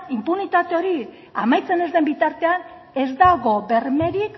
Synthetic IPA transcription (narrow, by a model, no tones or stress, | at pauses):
impunit̪at̪e̞o̞ɾi | amajt͡se̞ne̞zd̪e̞mbit̪aɾt̪e̞an | e̞zd̪aɣo̞be̞ɾme̞ɾik